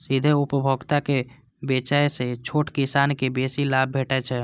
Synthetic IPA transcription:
sid̪ʱeupəbʱəɡt̪ake | bet͡ʃajset͡ʃʰoʈkisankebesilab̚ːʱeʈɛt͡ʃʰɛ

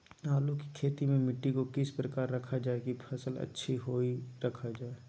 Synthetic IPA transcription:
naːluki̥kʰeːt̪imẽmɪʈːikokɪspɾəkaːɾːɐkʰad͡ʒaːekipʰɐsəlɐ̰tːʃʰiɦoːiɾɐkʰad͡ʒaːe

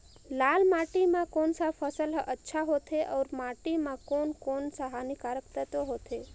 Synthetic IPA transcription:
laːlmaːʈimãkoːnsapʰəsəlɦʔətːʃʰaɦot̪ʰeʔɔːɾmaːʈimãkoːnkoːnsaɦanikaːɾəkt̪ət̪oɦoːt̪ʰe

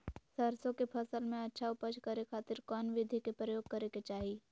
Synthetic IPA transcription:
sɐɾsõkepʰɐsəlmẽɐtːʃʰaʊpəd͡ʒkɐɾekʰaːt̪ɪɾkɔːnʋɪd̪ʱikepɾəjoːɡ̚kɐɾeket͡ʃaːɦi

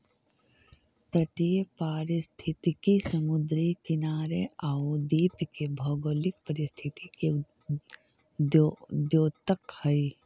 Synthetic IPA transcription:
t̪əʈijəpaːɾɪst̪ʰɪt̪ikisɐmʊd̪ɾikɪnaːɾeaːud̪iːpkebʱɔːɡoːlɪkpəɾɪst̪ʰɪt̪ike | d͡ʒoːt̪əkhɐi

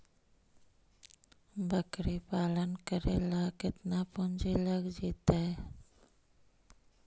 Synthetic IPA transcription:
bəkɾipaːlənkəɾḛlakɪt̪napʊnd͡ʒiləɡd͡ʒiːt̪aɛ

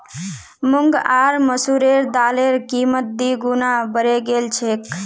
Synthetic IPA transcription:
mʊŋɡaːɾməsuɾeɾd̪aːleɾkimət̪̚d̪iɡunabəɾeɡelt͡ʃʰek

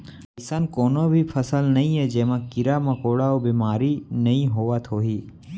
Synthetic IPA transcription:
ɐɪsənkoːnobʱipʰɐsəlnɐĩɦɛd͡ʒeːmãkɪɾamɐkoːɽaobiːmaːɾinɐɦĩɦoːʋat̪ʰoːɦiː

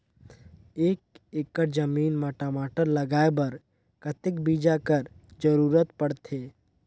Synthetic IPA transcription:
eːk̚ekːəɾd͡ʒəmiːnmaʈamaːʈəɾlɐɡaːebɐɾ | kət̪ɪk̚biːd͡ʒakəɾd͡ʒəɾuːɾət̪pɐɽt̪ʰeː

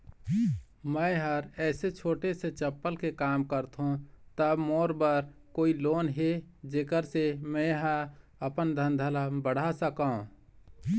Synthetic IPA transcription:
mə̃ɪɦəɾɛːset͡ʃʰoːʈeset͡ʃəpːəlkekaːmkəɾt̪ɦũt̪əbmoːɾbəɾkoːiloːnɦed͡ʒeːkəɾsemɛ̃ɦəɾ | əpənd̪ʱənd̪ʱəlabəɽ̤asəkaːũ

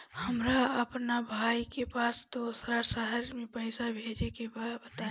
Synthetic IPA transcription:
həmɾaəpnabʱaikepaːsd̪oːsɾasəɦəɾmẽpəɪsabʱeːd͡ʒekebabət̪a

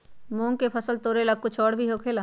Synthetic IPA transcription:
mõːŋkepʰəsəlt̪oːɾelaɡ̚kʊt͡ʃʰɔːɽbʱiɦokʰeːla

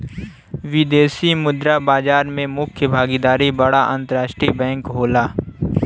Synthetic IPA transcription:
ʋɪd̪eːsimʊd̪ɾabaːd͡ʒaːɾmẽmʊkʰjəbʱaːɡid̪aːɾibɐɽaʔə̰̃nt̪əɾaːʃʈɾibɛ̃ːŋkɦoːlaː

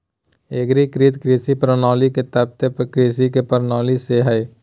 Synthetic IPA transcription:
eɡɾikɾiːt̪kɾiːsipɾənɔːliket̪əb̚t̪epkɾiːs̬ikepəɾnɔːliseɦɛː

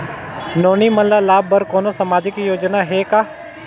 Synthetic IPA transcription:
noːnimɐllalaːbːɐɾkoːnosɐmaːd͡ʒikijoːd͡ʒnaɦeːkaː

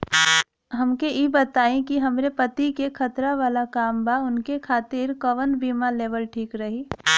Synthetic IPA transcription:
ɦɐmkeibɐt̪aːẽkiɦɐmɾepɐt̪ikekʰɐt̪ɾaʋaːlakaːmbaʊnkekʰaːt̪ɪɾkɐʋənbiːmaleːʋəlʈʰiːkɾɐɦiː

